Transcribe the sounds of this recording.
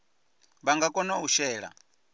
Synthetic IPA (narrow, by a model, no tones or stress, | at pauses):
βaŋɡakʼɔnauʃɛːɺa̰